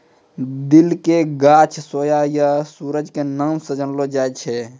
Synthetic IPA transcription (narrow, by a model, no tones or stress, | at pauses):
d̪ilkeɡaːt͡ʃʰsoːjajasuːɾəd͡ʒkenəmsəd͡ʒənlod͡ʒaːjt͡ʃʰɛ